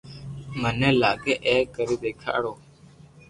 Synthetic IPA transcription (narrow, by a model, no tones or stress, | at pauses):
mənẽːlaːɡeːʔeːkəɾiːd̪eːkʰa̰ːɽoː